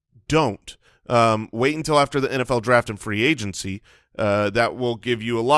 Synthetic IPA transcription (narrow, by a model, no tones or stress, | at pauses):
d̥õʊ̃nt | ʔʌweɪɾɪ̃ɨ̃ntʰɪlˠæftə˞ðiʔɛ̃ɾ̃ɛfɛlˠdɹæftɨ̃n̩fɹieɪd͡ʒɨ̃nsi | ðɨʔ̚wɪlˠɡɪvjɨəlɔ